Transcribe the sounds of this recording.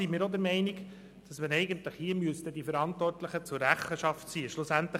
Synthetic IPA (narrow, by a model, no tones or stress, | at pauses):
imɪːɾod̪əɾmɛɪniɡ | d̥ɑsmənɛɪɡənt̪ləχhiəmyəst̪əd̪ifəɾɑnt̪vɔrtləχət͡sʊrːæχəʃɑftsiːəʃlʊsænt̪lə